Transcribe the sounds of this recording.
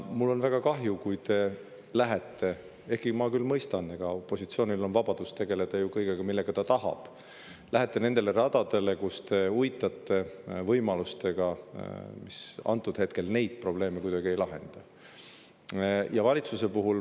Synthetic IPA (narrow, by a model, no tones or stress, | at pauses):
mulːo̞nvæɡ̥ɑkɑɦjukujt̪e̞ | læɦet̪ːe̞ | e̞hkimɑkylmɤjst̪ɑne̞ɡ̥ɑopːˑo̞sit̪sio̞ːnilo̞nvɑb̥ɑd̪̥ust̪e̞ɡ̥e̞le̞d̪̥ɑjukɤjɡeɡ̥ɑmilːe̞ɡ̥ɑt̪ɑt̪ɑhɑ̰b̥ | læɦet̪ˑːe̞ne̞nd̪̥e̞le̞ɾɑd̪ɑd̪̥e̞le̞kust̪e̞ujt̪ːˑɑt̪ːe̞vɤjmɑlust̪e̞ɡ̥ɑ | misɑ̰nt̪ːˑud̪he̞t̪̚ke̞lne̞jd̪̥̚pro̞ble̞ːmekujd̪̥ɑɡ̥ie̞jlɑɦe̞̰nd̪̥ɑ | jɑvɑlʲit̪suse̞puɦul